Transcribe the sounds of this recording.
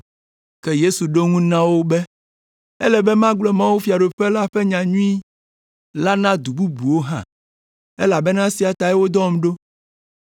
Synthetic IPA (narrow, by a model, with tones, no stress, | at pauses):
kɛ˦je˦su˨ɖo˦ŋũ˦nã˦wo˦bɛ˦ | ɛ˦lɛ˨bɛ˦mã˦ɡ͡blɔ˦mã˦wu˦fi˨a˨ɖo˨ɸɛ˦la˦ɸɛ˦ɲã˨ɲũ˦i˦ | la˦nã˦d̪u˨bu˦bu˨wo˦ɦã̰˦˨ | ɛ˦la˨bɛ˦nã˦si˨a˨t̪a˨ɛ˦wo˦d̪ɔ˦˨m˦ɖo˦